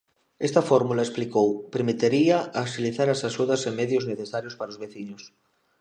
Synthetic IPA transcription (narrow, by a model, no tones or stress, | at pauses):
est̪afoɾmulaesplikowpeɾmit̪eɾiaasiliθaɾasaʃuðasemeðjozneθesaɾjospaɾaozβeθiɲos